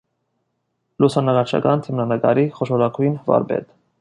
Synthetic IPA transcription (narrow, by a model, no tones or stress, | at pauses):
lusɑnɑɾɑt͡ʃʰɑ̰kɑnt̪ʰəmnɑnəkɑ̰ɾiχɔʃɔɾɑkʰujnvɑ̰ɾbɛ̰t̪